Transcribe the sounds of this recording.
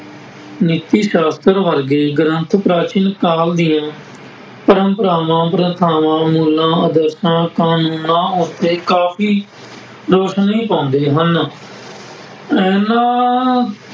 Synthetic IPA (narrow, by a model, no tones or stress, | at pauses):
nɪt̪iːʃaːst̪əɾʋəɾɡeːɡənənt̪ʰpɾaːt͡ʃɪnkaːld̪ɪjãː | pəɾə̃mpəɾaːʋãːpəɾət̪ʰaːʋãːmuːlãːəd̪əɾsãːkaːnuːnãːot̪eːkaːpʰiː | ɾoːʃnĩːpãːnd̪eːɦən | ɛːnãː